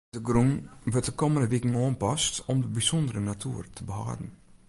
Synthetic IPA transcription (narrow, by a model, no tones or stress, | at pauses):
dəɡrunʋøt̚əkoməndəʋikəŋ̩oənpɔstɔmdəbisɔndəɾənatʰuərtʰəbəha̰ːdn̩